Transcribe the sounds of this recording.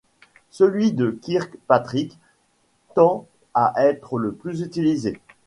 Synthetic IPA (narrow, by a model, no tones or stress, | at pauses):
səlɥid̪əkʲiʁkpat̪χik | t̪ɑ̃ | aʔɛt̪χələplyzyt̪ilize